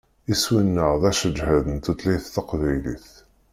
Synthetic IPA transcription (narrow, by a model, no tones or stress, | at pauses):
iswinːəʁðæʃəd͡ʒhæðənt̪ut̪liθθɑqvæjliθ